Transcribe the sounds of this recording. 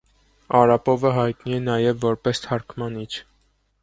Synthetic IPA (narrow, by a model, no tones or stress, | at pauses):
ɑɾɑpɔvəɦɑjt̪niɛnɑjɛvːɔɾpɛst̪ʰɑɾkʰmɑnit͡ʃʰ